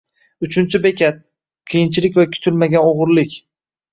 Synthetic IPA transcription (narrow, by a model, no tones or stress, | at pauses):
ʊt͡ʃʰʊnt͡ʃʰɪbe̞kʲʰat̪̚ | qʰɨjɪnt͡ʃʰɪlɪkʲvakʲʰʊ̥t̪ʰʊlmaɡʲanoʁʊɾlɪkʲ